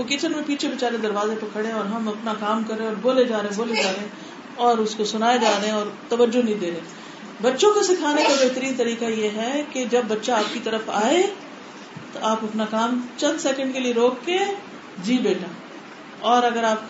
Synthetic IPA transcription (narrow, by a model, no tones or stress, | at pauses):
okɪt͡ʃənmẽpiːt͡ʃʰebɪt͡ʃaːɾed̪ɐɾʋaːzepɐkʰɐɽẽɔːɾɦɐmɐpnakaːmkɐɾːeẽɔːɾboːled͡ʒaːɾeẽboːled͡ʒaːɾeẽ | ɔːɾʊskosʊnaːed͡ʒaːɾeẽɔːɾt̪ɐʋəd͡ʒonɐɦĩd̪eːɾeː | bɐtːʃõkosɪkʰaːnekabeɦt̪əɾiːnt̪ɐɾiːkajeɦɛked͡ʒɐbːɐtːʃaaːp̚kit̪ɐɾəfaːe | t̪oʔaːpɐpnakaːmt͡ʃɐ̃nd̪sɛːkə̃ɳɖkelieɾoːkːe | d͡ʒiːbeːʈaː | ɔːɾɐɡəɾaːp̚